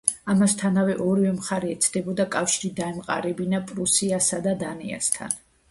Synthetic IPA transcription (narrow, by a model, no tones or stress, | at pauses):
amast̪ʰanavɛʔɔɾivɛmχaɾɛːt̪sʰd̪ɛbɔd̪akʼafʃiɾid̪aɛmqʼa̰ɾɛbinapʼɾusiasad̪ad̪anḭa̰st̪ʰa̰n